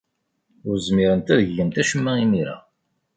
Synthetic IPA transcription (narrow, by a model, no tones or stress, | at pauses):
ʊɾzmiɾənt̪æðəʝːənt̪æʃəmːæimiɾa̰